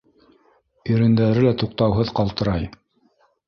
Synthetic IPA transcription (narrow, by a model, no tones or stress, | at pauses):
ɵ̆ɾɘ̆nd̪æɾɘlæt̪uq̚t̪ɑwɦɤðqɑlˠt̪ɤ̆ɾɑj